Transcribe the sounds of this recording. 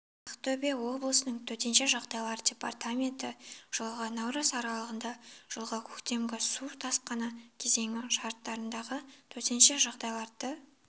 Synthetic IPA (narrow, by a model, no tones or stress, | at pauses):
ɑqt̪ʰɵbewo̞blˠəsənəɴt̪ʰɵt̪e̞nʃe̞ʒɑʁd̪ɑjlˠɑɾdʲe̞pa̰rt̪amʲe̞nt̪ɪʒ̥əlˠʁɑnɑwɾɑzɑɾɑlˠəʁənd̪ɑʒ̥əlˠʁɑkʲʰɵkt̪e̞mɡʲɪsut̪ʰɑsqɑnɑkʲʰe̞ze̞ŋɪʃɑɾt̪ːɑɾənd̪ɑʁət̪ʰɵt̪e̞nʃe̞ʒɑʁd̪ɑjlˠɑɾd̪ə